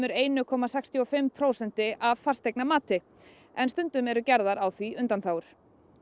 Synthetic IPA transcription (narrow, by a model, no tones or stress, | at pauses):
mʏɾeːjnʏkʰɔːmasɛkst̪ʰjɔfɪmpʰɾoːwsɛn̥t̪ɪʔavfarst̪ejk̚namaːt̪ɪ | ɛnst̪ʏnt̪ʏmɛɾʏcaɾðaɾawθviʏnt̪anθaːwʏɾ̥